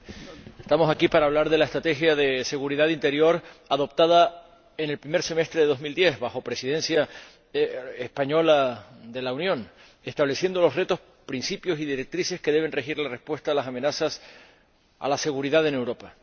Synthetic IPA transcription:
est̪amo̞sakipaɾaːβ̞laɾðe̞laest̪ɾat̪e̞xjaðe̞se̞ɣuɾiðaðint̪e̞ɾjo̞ɾaðo̞p̚t̪að̞a | ene̞lpɾime̞ɾse̞me̞st̪ɾeððo̞zmild̪je̞zβaxo̞pɾe̞siðe̞nsja | espaɲo̞lad̪e̞launjõ̞ŋ | e̞st̪aβle̞sje̞nd̪o̞lo̞sre̞t̪o̞s | pɾinsipjo̞siðiɾe̞k̚t̪ɾise̞ske̞ðeβ̞e̞nre̞xiɾlare̞spwe̞st̪aːlasamẽ̞nasas | a̰lase̞ɣuɾiðaðe̞ne̞wɾo̞pa

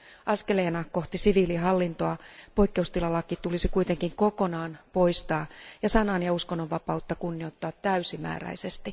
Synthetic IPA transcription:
ʔɑskeleːnɑko̞ht̪isiʋiːliɦɑlːint̪oɑpoikːe̞ust̪ilɑlːɑkit̪ulisikuit̪eŋkiŋkokonɑːnpo̞ist̪ɑːjɑsɑnɑnjɑuskonːoʋʋɑpɑut̪ːɑkunːio̞it̪ːɑːt̪tːæysimæ̰ːræ̰isest̪i

